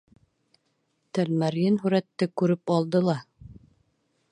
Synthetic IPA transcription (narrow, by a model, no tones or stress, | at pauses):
t̪ælmæɾjɘnɦʉɾæt̪ːɘkʉɾɘpɑlˠd̪ɤlˠɑ